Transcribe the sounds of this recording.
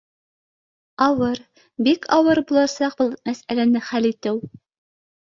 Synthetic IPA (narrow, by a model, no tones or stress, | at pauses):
ɑwɤɾ | bikʰɑwɤɾbulˠɑsɑq̚bulˠmæsælænɘχælit̪ɘw